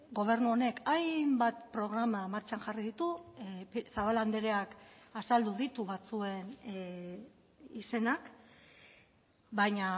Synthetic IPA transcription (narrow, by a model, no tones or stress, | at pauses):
ɡo̞β̞e̞ɾnuo̞ne̞kajmbat̪pɾo̞ɣɾamamaɾt͡ʃanʝariðit̪upsaβ̞aland̪eɾeakasald̪uðit̪uβat͡sue̞n | ise̞nak | bajɲa